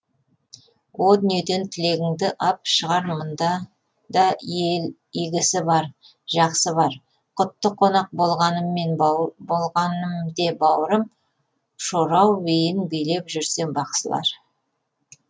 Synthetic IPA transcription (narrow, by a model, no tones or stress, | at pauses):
wʔo̞lˠd̪ʏnjed̪e̞nt̪ʰɪle̞ɡʲɪŋd̪ɪʔɑp̚ʃəʁɑɾmənd̪ɑ | d̪ɑel | iɡʲɪsɪbɑɾ | ʒɑqsəβɑɾ | qʰʊt̪ːəqʰːo̞nɑq̚bo̞lˠʁɑnəmːe̞nbo̞lˠʁɑnəmd̪e̞bɑwəɾəm | ʃoɾɑwːejɪnbijle̞pʒʏɾse̞ŋbɑqsəlˠɑ̰ɾ